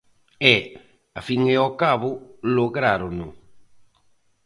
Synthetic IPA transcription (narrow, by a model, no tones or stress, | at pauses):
ɛ | afiŋeokaβoloɣɾaɾono